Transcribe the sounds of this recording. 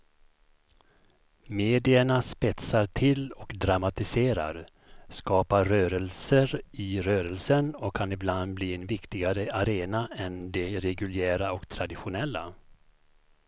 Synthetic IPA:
meːd̪ɪəɳaspɛt̪saʈʰɪlɔkd̪ɾamat̪ɪseːɾa̰ɾ | skɑːpaɾœːɾəlsəɾɪɾøːɾəlsənɔkʰːanɪbland̪̚bliːɛnvɪkt̪ɪɡaɾəʔaɾeːnaɛnd̪ɛɾɛɡɵljæːɾaɔkt̪ʰɾad̪ɪɧʊnɛlːa̰

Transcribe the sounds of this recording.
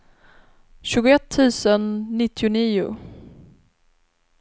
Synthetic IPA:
ɕʉ̟ːɡʊɛt̪ʰːʉ̟ːsənːɪt̪ːɪʊniːʊ̰

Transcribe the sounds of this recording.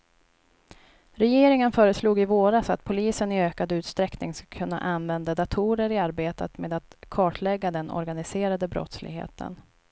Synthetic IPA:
ɾɛjeːɾɪŋənfœːɾəsluːɡɪvoːɾasat̪pʰʊliːsənɪøːkad̪ʉ̟ːt̪st̪ɾɛknɪŋskḁkʰɵnːa̰ʔanvɛnd̪ad̪at̪ʰuːɾəɾɪaɾbeːt̪ət̪meːd̪at̪kʰɑːʈʰlɛɡːad̪ɛnɔ̰ɾɡanɪseːɾad̪əbɾɔ̰t̪slɪɡɦḛːt̪ʰə̰n

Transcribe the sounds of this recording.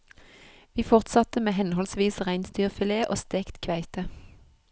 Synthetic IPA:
ʋiːfɔʁt̪sɑt̪əmeːhɛnhɔlsʋiːsʁæɪnst̪yːʁfɪleːʔo̰ːst̪eːkt̪kʰʋæɪt̪ə

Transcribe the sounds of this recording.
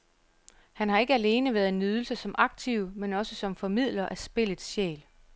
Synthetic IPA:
hænhɑ̈e̝ɡ̥əæle̝ːnəʋæːɐðˠe̝nyð̞ˠl̩səsɒ̽mʔɑ̈ɡ̥̚t͡sʰiʊmenɒ̽səsɒ̽mfɒ̽mið̰ˠlɐʔæsb̥e̝lð̩ˠsɕḛːl

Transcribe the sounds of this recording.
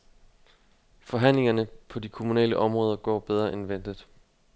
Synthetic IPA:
fɒ̽ɦæn̰le̝ŋɐnəpʰɒ̽dikʰomunɛ̰ːləʔɒ̽mʁɔ̽ːðˠɐɡ̥ɒ̰ːb̥eð̞ˠʁɐʔenʋen̰d̥ð̩ˠ

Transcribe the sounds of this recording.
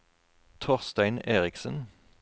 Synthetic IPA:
t̪ʰɔʁst̪æɪneːʁɪksən̩

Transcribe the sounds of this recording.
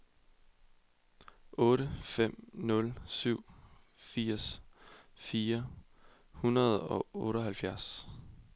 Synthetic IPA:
ʔɔ̽ːɾəfem̰nɔ̽lsyʊ̰ | fiɐ̰s | fiːɐ | hunɐð̞ˠɒ̽ɔ̽ːɾəɦælfjæɐs

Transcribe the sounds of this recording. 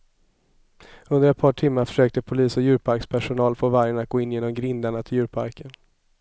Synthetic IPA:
ɵnd̪əɾɛt̪̚pʰɑːʈʰɪmːaɾfœ̥ʂøːk̚t̪əpʰʊliːsɔjʉ̟ːɾpʰaɾkspʰæʂʊnɑːlfoːvaɾjəɳat̪̚ɡ̥oːɪnjeːnɔmɡɾɪnd̪aɳat̪ʰɪljʉːɾpʰa̰ɾkən

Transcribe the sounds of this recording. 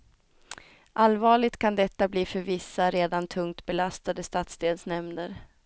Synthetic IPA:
ʔalvɑːɭɪɡt̪kʰand̪ɛt̪ːabliːfœɾvɪsːaɾeːd̪ant̪ʰɵŋkt̪bɛlast̪ad̪əst̪aːt̪sd̪eːlsnɛmnəɾ

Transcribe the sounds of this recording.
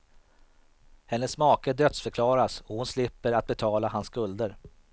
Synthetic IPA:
hɛnːəsːmɑːkəd̪œt̪sfœɾkʰlɑːɾasɔhʊnslɪpːəɾat̪̚bɛt̪ʰɑːlaɦanskɵld̪əɾ

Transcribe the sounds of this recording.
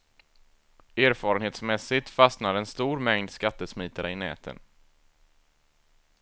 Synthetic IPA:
eːɾfɑːɾənheːt̪smɛsɪt̪fasnaɾɛnst̪uːɾmɛŋd̪skat̪ːəsmiːt̪aɾəɪnɛ̰ːt̪ʰə̰n

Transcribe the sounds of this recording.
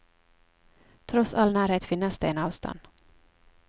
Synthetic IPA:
t̪ʰɾɔt̪salnæːɾheːt̪fɪnːasd̪̥ɛɛnɑːvst̪ʰɔ̰nd̪̥

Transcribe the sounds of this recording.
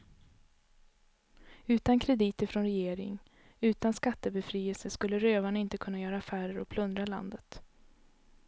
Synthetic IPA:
ʉ̟ːt̪ankʰɾɛd̪iːt̪əɾfɾɔnɾɛjeːɾɪ̰ŋ | ʉ̟ːt̪anskat̪ːəbɛfɾiːɛlsəskɵlːəɾøːvaɳaɪnt̪əkʰɵnːajœːɾaːfæːɾəɾʔɔ̰k̚pʰlɵnd̪ɾala̰nd̪ət̪

